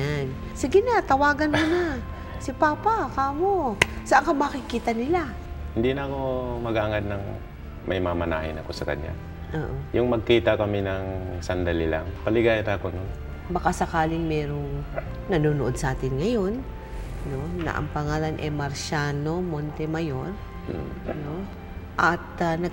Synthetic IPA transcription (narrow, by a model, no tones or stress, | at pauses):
an | sɪɡɪnat̪ɐwaːɡɐnmona | sɪpaːpakaːmosɐʔaŋkɐmakɪkiːt̪ɐnɪla | hɪnd̪inɐɐko̞mɐɡaːŋad̪̚nɐŋ | mɐjmamɐna̰ːhɪnɐko̞sɐkɐ̰ɲːa̰ | ʔoːʔojʊŋmɐɡ̚kiːt̪ɐkɐminɐŋsɐnd̪ɐlila̰ŋpɐlɪɡaːjat̪akonon | bɐkasɐkaːlɪŋmɛːɾo̞ŋ | nɐnuːnoʔo̞d̪sʔaːt̪ɪnŋɐjo̞n | no̞nɐ̰ʔɐ̰ŋpɐŋaːlɐnʔɛmɐɾʃaːno̞mont̪ɛmɐjo̞ɾ | m̩no̞ | ʔɐt̪̚nɐ